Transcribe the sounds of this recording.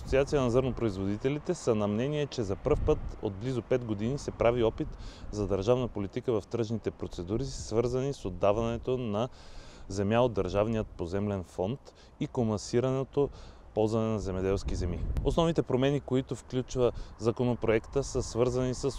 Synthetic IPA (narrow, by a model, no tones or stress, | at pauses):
sot̪siat̪sijənɐzɤɾnopɾoizvod̪it̪ɛlit̪ɛsənɐmnɛniɛt͡ʃɛzɐpɤɾfpɤt̪o̰d̪̚blizopɛd̪ɡod̪inisɛpɾʔaviɔpit̪zɐd̪ɐɾʒavnəpolit̪ikəvɐft̪ɾɤʒnit̪ɛpɾot̪sɛd̪uɾisvɤɾzɐnisod̪ːavɐnɛt̪onɐzɛmjaod̪ːɐɾʒavnijət̪̚pozɛmlɛnfɔnt̪ | ikomɐsiɾɐnɛt̪opɔlˠzvɐnɛnɐzɛmɛd̪ɛlˠskizɛmio̰snɔvnit̪ɛpɾomɛnikoit̪ofklʲut͡ʃvəzɐkonopɾoɛkt̪əsəsvɤɾzɐnisəs